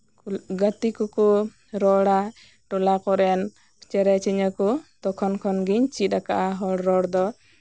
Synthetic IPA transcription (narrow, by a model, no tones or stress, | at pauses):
ɡat̪ikɔkɔ | ɾɔɽa | ʈɔlakɔɾɛn | t͡ʃɛɾɛt͡ʃiɲəkɔt̪ɔkʰɔnkʰɔnɡiɲt͡ʃit̪̚akaʔaɦɔɽɾɔɽd̪ɔ